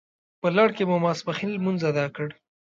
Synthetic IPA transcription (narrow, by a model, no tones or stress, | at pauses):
pəlɑɽkemumɑspaxilmunzad̪ɑkəɽ